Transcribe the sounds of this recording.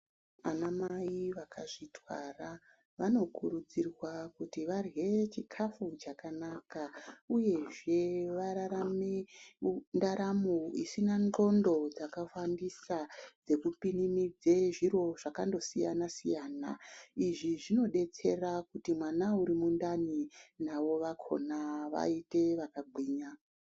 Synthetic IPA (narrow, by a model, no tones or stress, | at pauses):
anamaiʋakʰaʐitwa̰ra | ʋano̞kuɾud͡zirwakutiʋarwe̞t͡ʃikʰafut͡ʃakanakauje̞ʐe̞ʋaɾaɾame | ndaɾamoisinand͡ɮo̞ndo̞d͡zakafandisad͡ze̞kupinimid͡zeʐiɾo̞ʐakando̞sija̰nasḭjaːna̰iʐiʐino̞ɗe̞t͡se̞rakutimwanauɾimundaninaʋo̞ʋakʰo̞̰naʋa̰ite̞ʋakaɡʱwiːɲa